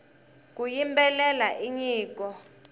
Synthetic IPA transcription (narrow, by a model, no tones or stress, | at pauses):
k̬ʼujimbɛlɛlaʔiɲiːk̬ʼɔ